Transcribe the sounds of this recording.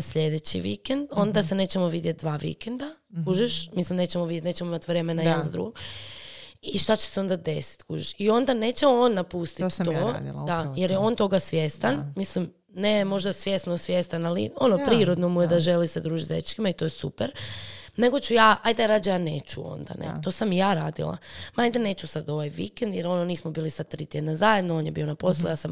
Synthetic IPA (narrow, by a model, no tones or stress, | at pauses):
sʎe̞d̪et͡ɕḭʋḭkend̪o̞nd̪ase̞ne̞ːt͡ɕemoʋid̪jet̪̚d̪ʋaːʋḭkend̪akuʒeʃmislimne̞ːt͡ɕemoʋidjet̪net͡ɕemoimat̪ʋɾe̞menajed̪nzad̪ɾṵɡo | iʃt̪at͡ɕe̥seo̞nd̪ad̪e̞si̥t̪kṵːʒiʃio̞nd̪ane̞ːt͡ɕeo̞nːapust̪it̪o̰d̪ajeɾjeo̞ːnt̪o̞ɡasʋjest̪anmislim | nemo̞ʒd̪asʋje̞snosʋje̞st̪analḭo̞nopɾiːɾod̪no̞mujed̪aʒe̞lisad̪ɾuːʒit̪ḛʎt͡ʃkimait̪o̞jesupeɾne̞ɡo̞t͡ɕujaːʔajd̪aɾaːd͡ʒjaːne̞̰ːt͡ɕuo̞̰nd̪a̰nḛt̪o̞samijaːɾaːd̪ḭlˠa̰maajd̪ane̞ːt͡ɕusad̪o̞ʋajʋḭkend̪jeɾo̞noniːsmobiːlisad̪̚t̪ɾiːt̪je̞d̪nazajed̪nooːnjebio̞napo̞slˠṵjaːsam